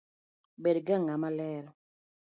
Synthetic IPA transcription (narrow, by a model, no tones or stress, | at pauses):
bedɡaŋamalɛɾɔ